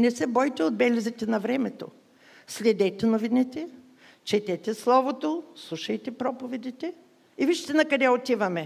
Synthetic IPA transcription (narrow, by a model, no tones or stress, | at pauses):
nɛsɛbɔjt̪ɛod̪bɛlʲizit̪ɛnɐvɾɛmɛt̪o̰ | slʲɛd̪ɛt̪ɛnovinɛt̪ɛ | t͡ʃɛt̪ɛt̪ɛslˠɔvot̪oslˠuʃɐjt̪ɛpɾɔpovɛd̪it̪ɛ | iviʃit̪ɛnɐkɐd̪ɛot̪ivɐmɛ